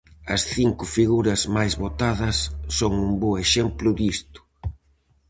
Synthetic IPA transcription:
ɐsθiŋkʊfiɣuɾɐzmajzβot̪aðɐsːoŋumboeʃɛmplʊd̪ist̪ʊ̥

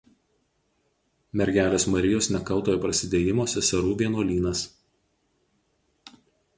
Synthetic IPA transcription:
mʲɛɾʲɡʲæːlʲeːsmɐɾʲɪjoːsnʲɛkɐʊt̪oːjoːpɾɐsʲɪd̪ʲeːjɪmoːsʲɛsʲɐɾuːʋʲiɛnuːlʲiːnɐs

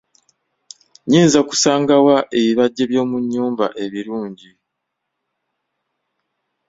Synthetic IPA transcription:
ɲeːnzaku̥saːŋɡawaʔe̞βiβaɟːe̞βjo̞ːmuɲːuːmba̰ʔe̞βiɾuːɲɟi

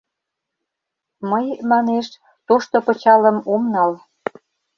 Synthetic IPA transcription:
məjmɑneʃ | t̪oʃt̪opə̆t͡ɕɑlə̆momnɑl

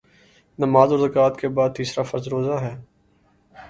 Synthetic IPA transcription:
nəmaːzɔːɾzəkaːt̪kebaːd̪̚t̪iːsɾaːfɐɾzɾoːzaːɦɛː

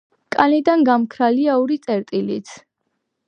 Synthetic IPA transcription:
kʼanid̪anɡamkʰɾaliauɾit̪sʼɛɾt̪ʼilit̪sʰ

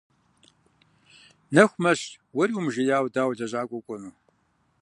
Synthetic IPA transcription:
nɐxʷmɐɕ | wɐɾiwmʒɪjaːwdaːwdɐʑaːkʷʼɔkʷʼɔnuː

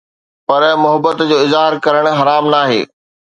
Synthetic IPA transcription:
pɐɾmʊɦəbət̪d͡ʑoːɪzaːɦɪɾkɐɾəɽ̃ɦɐɾaːmnaːɦḛː

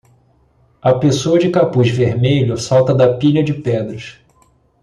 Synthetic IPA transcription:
ɐpesoɐd͡ʒɪkapuʒveɾmeʎʊsawt̪ɐd̪ɐpiʎɐd͡ʒɪpɛd̪ɾɐʃ

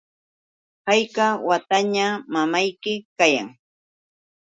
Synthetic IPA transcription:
hɑjkawat̪aɲamamajkɪkaja̰ŋ

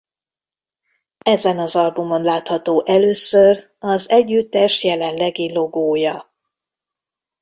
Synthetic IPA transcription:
ɛzɛnɒzɒlbumo̞nlaːt̪hɒt̪oːʔɛløːsør | ɒzɛɟːyt̪ːɛʃjɛlɛnlɛɡilo̞ɡoːjɒ

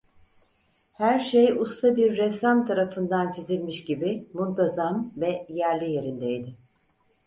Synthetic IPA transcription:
hæɾʃe̞just̪ʰabiɾːɛsamt̪ʰaɾafɯnd̪ant͡ʃʰizilʲmiʃɟibɪmulˠt̪ʰazamvɛjæɾlʲije̞ɾind̪ejd̪ɪ

